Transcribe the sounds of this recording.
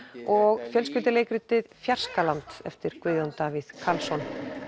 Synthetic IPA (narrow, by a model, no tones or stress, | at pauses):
ɔɣfjœlscʏlt̪ɪleːjkɾʏt̪ɪðfjar̥skalant̪ɛ̰ft̪ɪɾ̥kvʏðjɔnt̪avɪðkʰalsɔn